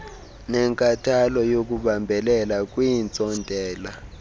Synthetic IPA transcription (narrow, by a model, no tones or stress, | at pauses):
nɛŋkʼatʰalɔjok̬ʼuɓambʱɛlɛlak̬ʼwint͡sʼɔntʼɛːla